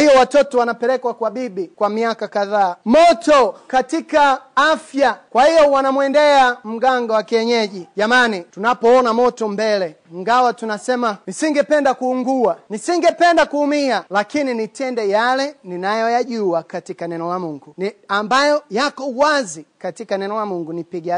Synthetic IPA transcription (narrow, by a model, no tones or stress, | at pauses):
ijɔwatɔtɔwanapɛlɛkwakwaɓiɓikwamiakakaðaːmɔtɔkatikaafjakwahijɔwanamwɛndɛam̩ɡaŋɡawakiɛɲɛʄiʄamanitunapɔɔnamɔtɔmbɛlɛ | ŋɡawatunasɛmanisiŋɡɛpɛndakuuŋɡuanisiŋɡɛpɛndakuhumialakininitɛndɛjalɛninajɔjaʄuakatikanɛnɔlamuŋɡuniambajɔjakɔuwazikatikanɛnɔlamuŋɡunipiɡa